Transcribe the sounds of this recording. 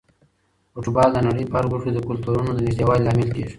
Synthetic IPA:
oʈubɑːld̪ənaɽəjpɑːɾɡuʂud̪əkʊlt̪uɾunod̪ənɪʒd̪ewaːllɑːmɪlkeːʐ

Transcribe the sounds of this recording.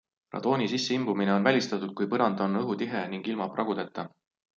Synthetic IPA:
rɑ̰d̪̥o̞ːnisisːeimbumine̞o̞nvælʲist̪ɑt̪ːˑud̪̥̚kujpɤɾɑnd̪o̞nɤɦut̪iɦeniŋɡ̥ilmɑpːˑrɑɡud̪e̞t̪ˑːɑ

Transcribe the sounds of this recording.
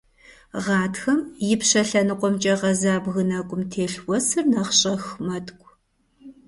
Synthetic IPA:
ʁɑːtxɐmjɪpɕɐɬɐnɨqʷɔmt͡ʃʼɐʁɐzaːbɣɨnɐkʷʼʊmtʰeːɬwʷɔsɨrnɐχɕʼɐxmɐtʰʼkʷʼ

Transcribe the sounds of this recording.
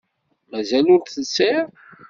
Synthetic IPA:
mæzælʊɾθəsːiɾ

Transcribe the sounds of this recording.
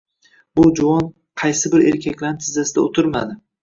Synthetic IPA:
bʊd͡ʒʊɒn | qʰɑjsɪbɪɾe̞ɾkʲʰakʲlaɾnɪt̪ʰɪzasɪd̪aot̪ʰʊɾma̰d̪ɪ

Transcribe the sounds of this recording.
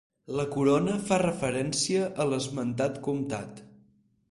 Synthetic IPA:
ləkuɾonəfarəfəɾɛnsiəʔələzmənt̪at̪kumt̪a̰t̪

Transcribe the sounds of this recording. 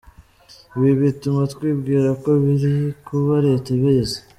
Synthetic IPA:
βiβitumat̪kwiːbɡiːɾakoβiɾikʰuβaɾetaβize

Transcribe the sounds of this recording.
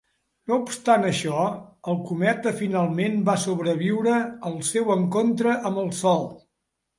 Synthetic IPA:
noupst̪anəʃɔəlˠkumɛt̪əfinalˠmenbasoβɾəβ̞iwɾəəlˠsɛwəŋkont̪ɾəʔəmbəlˠsɔlˠ

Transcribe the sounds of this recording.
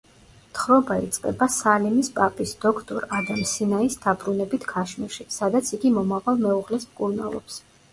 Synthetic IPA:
t̪ʰχɾɔbaḭt̪sʼqʼɛ̰basalimispʼapʼisd̪ɔkʰt̪ʼɔɾad̪amsinaisd̪abɾunɛbit̪ʰɡʰaʃmiʃisad̪at̪sʰiɡimɔmavalˠmɛuʁlɛsmkʼuɾnalˠɔ̰ps

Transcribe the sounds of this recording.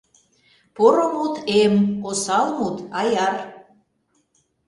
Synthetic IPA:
poɾomut̪emosɑlmut̪ɑjɑr

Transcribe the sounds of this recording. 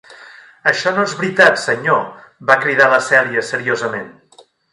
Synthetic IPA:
əʃɔnoezβɾit̪at̪səɲo | bakɾið̞aləsɛliəsəɾiozəmen

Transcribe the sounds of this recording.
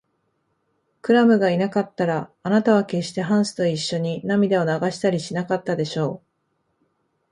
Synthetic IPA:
kɯ̟ɾamɯ̟ɡainakat̪ːaɾaːnat̪aβ̞ake̞ɕi̥t̪e̞ɦãɰ̃sɨ̥t̪o̞iɕːo̞ɲ̟inamʲid̪eo̞naɡaɕi̥t̪aɾʲiɕinakat̪ːad̪e̞ɕo̞ː

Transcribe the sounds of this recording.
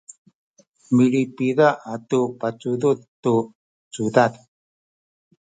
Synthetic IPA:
miɭipiðaʔatupat͡suðut̪tu | t͡sudad̪

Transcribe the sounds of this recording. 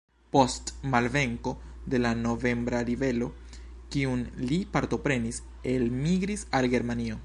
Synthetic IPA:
po̞stmalve̞ŋko̞ | de̞lano̞ve̞mbɾaɾive̞lo̞ | kiunlipaɾto̞pɾe̞nis | e̞lmiɡɾisalɡe̞ɾmanio̞

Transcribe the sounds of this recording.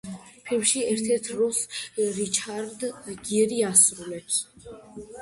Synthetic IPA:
pʰilmʃiɛɾt̪ʰɛɾt̪ʰɾɔsɾit͡ʃʰaɾd̪ɡiɛɾiasɾulɛps

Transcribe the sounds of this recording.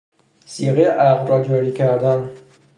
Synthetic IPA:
siɣejeʔæʁlɾɒːd͡ʒɒːɾiːcʰæɾd̪æn

